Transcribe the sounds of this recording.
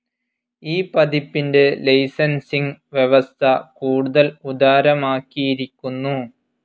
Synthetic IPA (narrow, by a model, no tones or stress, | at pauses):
iːpɐd̪ipːinde̞lɐjsɐnsiŋʋjeʋɐst̪ʰɐkuːɽuðɐlud̪aːɾɐmaːkːijiɾikʲːunːu